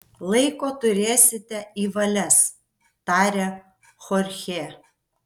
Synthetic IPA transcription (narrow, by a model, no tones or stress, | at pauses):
lˠɐɪkoːt̪ʊɾʲeːsʲɪt̪ʲɛiːʋɐlʲɛs | t̪ɑːɾʲeː | xɔɾʲxʲeː